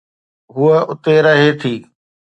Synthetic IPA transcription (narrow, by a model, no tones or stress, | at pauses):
ɦʊːəʊt̪eɾəɦeːt̪ʰiː